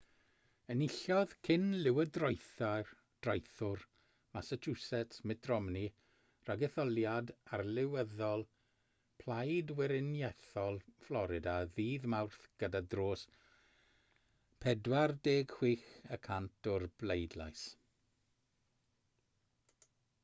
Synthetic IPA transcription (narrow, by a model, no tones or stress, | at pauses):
ənɪɬɔð̥kʰɪnlɪwədrɔjθa | d̥rajθʊr | masət͡ʃʰusɛtʰmɪdrɔmni | raɡɛθɔlˠjadarlɪwəðɔlˠ | pʰl̥ˠajdwɪɾɪnjɛθɔlˠflˠɔɾɪdaðiːðmawrθɡ̥ədadroːs | pʰɛdwardeːɡ̥hw̥iːxəkʰantʰɔrblejdla̰js